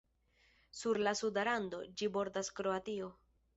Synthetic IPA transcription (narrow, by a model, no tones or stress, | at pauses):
suɾlasudaɾando̞d͡ʒibo̞ɾdaskɾo̞atio̞